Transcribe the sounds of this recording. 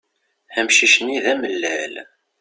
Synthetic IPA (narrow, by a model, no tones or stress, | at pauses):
æmʃiʃəniðæməlːæl